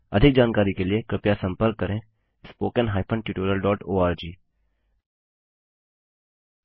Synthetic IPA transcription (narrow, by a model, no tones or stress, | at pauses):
ɐd̪ʱɪk̚d͡ʒaːnkaːɾikeliekɾɪpjasɐ̃mpəɾkːəɾẽ | spoːkənɦaːɪpʰə̃ɳʈuːʈoːɾijəlɖɔːʈoːaːɾd͡ʒiː